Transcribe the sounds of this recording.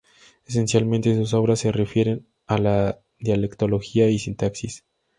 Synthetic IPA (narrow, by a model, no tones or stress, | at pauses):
es̬e̞nsjalmẽnt̪es̬us̬o̞βɾasːe̞re̞fje̞ɾe̞n | ala | ðjale̞kt̪o̞lo̞xiaisint̪aksis